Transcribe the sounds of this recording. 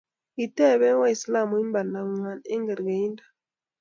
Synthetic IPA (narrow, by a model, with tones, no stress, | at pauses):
i˨tɛ˦˨βɛ˦wa˦i˨sla˦˨mu˨i˦mba˨na˨ŋwa˨ne˦ŋɡe˨ɾɡe˨i˦nda˨